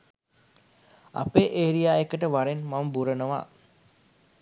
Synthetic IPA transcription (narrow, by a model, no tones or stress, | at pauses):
a̰peːʔeːɾijaːekəʈəʋaɾenmaməbuɾənəʋa̰